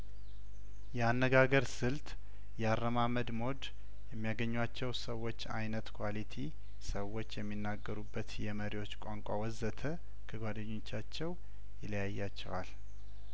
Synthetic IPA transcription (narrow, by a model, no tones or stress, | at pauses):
jɛanːəɡaɡəɾsɨlt̪ | jɛarːəmaməd̪mo̞d̪ | jɛmːijaɡəɲːwat͡ʃːɛwsəwːo̞t͡ʃːajnət̪kʰwalit̪ʰi | səwo̞t͡ʃːjɛmːinːaɡːəɾubːət̪jɛməɾiwo̞t͡ʃːkʷʼaŋkʷʼa̰wɔzət̪ʰə | kʰəɡʷad̪əɲːot͡ʃːat͡ʃːɛw | jɪləjajːat͡ʃːɛ̰wa̰l